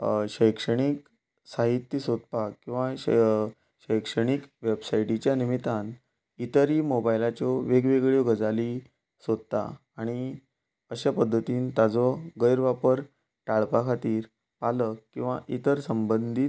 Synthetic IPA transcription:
ɕəjkʂəɳ̃iːk | saɦit̪ːjəsod̪̚pakĩw̃ʋã | ɕəjkʂəɽ̃ikʋebsaiʈit͡ɕjanimit̪an | it̪əɾiːmobajlat͡ɕɔʋeɡʋeɡɭjoɡəd͡zali | sod̪̚t̪a̰ | aɽ̃i | əɕapəd̪ʱːət̪iːnt̪ad͡zɔɡəjɾʋapəɾ | ʈaɭpakʰat̪iːɾ | paləkkːĩw̃ʋa̰ʔit̪əɾsəmbənd̪ʱit̪

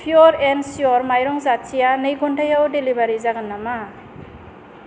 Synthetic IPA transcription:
pʰjɔɾensiɔɾmajɾɔŋzatsijanɯjɡɔntʰajawdelibaɾizaɡɯnːama

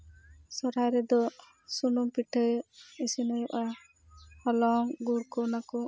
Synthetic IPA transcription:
sɔɾajɾɛd̪ɔ | sunumpiʈʰəisinɔjuʔa | hɔlɔŋɡuɾkɔnakɔ

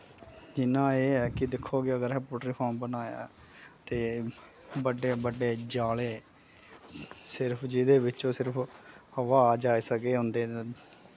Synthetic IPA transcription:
d͡ʒɪnãːeːɦɛːkɪd̪ɪkʰːoːɡɪəɡəɾɦɛpʊʈɾiːpʰɔːmbənaːja̰ː | t̪eː | bəɖeːbəɖeːd͡ʒaːleː | sɪɾpʰd͡ʒɪd̪eːʋɪt͡ʃõːsɪɾpʰhəʋaːd͡ʒaːiːsəɡeːɦʊ̃nd̪eː

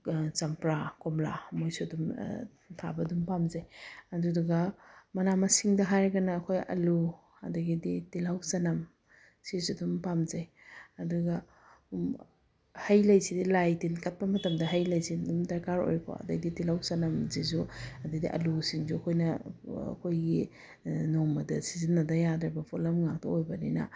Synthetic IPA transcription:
t͡ʃampɾakomla̰mojsudum | tʰa̰bɐdumpamzajɐduduɡɐmɐnamɐsiŋdɐɦajɾɡɐnɐːkʰojɐ̰lu | ɐ̰daɡiditilawsanɐm | sizudumpamzaj | ɐduɡa | hɐjlɐjsidilajtinkat̚pɐmɐtɐmdɐɦɐjlɐjsidumdɐɾkaɾo̰jɾkʰo̰ɐ̰dɐɡditilawsɐnɐmzizuɐdɐjdiʔɐ̰lusiŋzuɐkʰojnɐɐ̰kʰojɡi | nomɐdɐsizinːɐdɐjadɾɐbɐpʰolɐmŋak̚tɐojbɐnḭnɐ̰

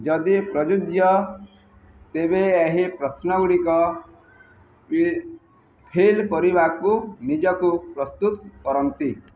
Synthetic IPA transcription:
d͡ʒʌd̪ipɾʌd͡ʒud̪jʌ | t̪eβeeɦipɾʌsnʌɡɽikʌ | pʰilpʌɾibʱakkunid͡ʒʌkupɾʌst̪ut̪̚kʌɾʌnt̪i

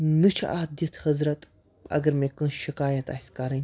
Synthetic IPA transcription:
nɨt͡ʃʰʔaːd̪jɐt̪ʰhɐzɾɐt̪ | ɐ̰ɡɐɾmeːkɨnʃikaːjɐt̪asʲkaɾɨnʲ

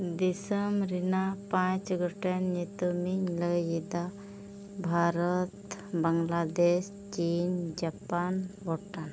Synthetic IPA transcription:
d̪isəmɾinapãt͡ʃɡɔʈanːet̪umiɲləjid̪a | bʱaɾət̪bəŋɡlad̪es | t͡ʃind͡ʒapanbʱɔʈan

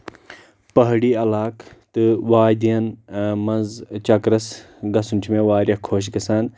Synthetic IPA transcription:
pɐɦɽiːɐlaːkt̪ɨʋaːjd̪ijɐnmɐnzt͡ʃɐkɾɐs | ɡɐsuntʰmẽʋaːɾʲjɐhkʰoːʃ̬ɡɐsaːn

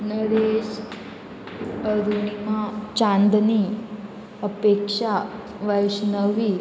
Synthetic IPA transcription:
nəɽes | əɾunimat͡ɕãnd̪ni | əpekʂa | ʋəjɕnəʋi

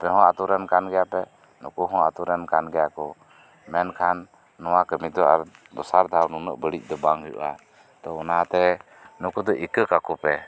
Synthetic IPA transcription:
pɛɦɔ̃at̪uɾɛnkʰanɡɛjapɛ | nukuɦɔ̃at̪uɾɛnkʰanɡɛjakɔ | mɛnkʰanː | ɔwakəmit̪d̪ɔaɾd̪ɔsaɾd̪ʱawnunəʔbəɽic̚ˀd̪ɔbaŋɦujṵʔa | t̪ɔɔnat̪ɛ | nukud̪ɔʔikəkakɔpɛ

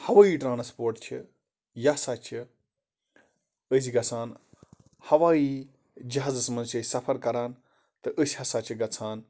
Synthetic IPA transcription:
hɐʋaːiːʈɾãːnspoːɾʈt͡ʃʰi | jɐsaːt͡ʃʰi | əs̬ʲiɡɐt͡sʰaːn | hɐʋaːiː | d͡ʒɐɦaːzɨsmɐnzt͡ʃɐːsʲsɐpʰɐɾkɐɾaːn | t̪ɨʔəsʲhɐsaːt͡ʃʰiɡɐt͡sʰaːn

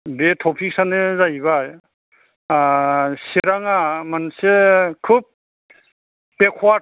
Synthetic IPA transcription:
betʰɔpʰik̚sanezajβaj | seɾaŋamansekʰub̚ | ekʰwa

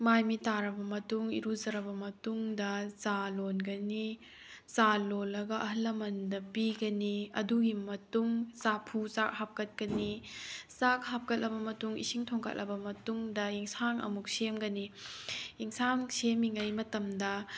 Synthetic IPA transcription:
majmitaɾɐbɐmɐtuŋḭɾuzɐɾɐbɐmɐtuŋdɐzalonɡɐni | zalolːɐɡɐʔɐɦɐlːɐmɐndɐpiɡɐniɐ̰duɡimɐtuŋzapʰuzak̚hap̚kɐt̚kɐnizak̚ɦap̚kɐt̚lʔɐbɐmɐtuŋḭsiŋtʰoŋkʰɐ̰t̚lʔɐ̰bɐmɐtuŋdɐiŋsaŋɐ̰muk̚semɡɐni | iŋsaŋsemiŋɐjmɐtɐmdɐ

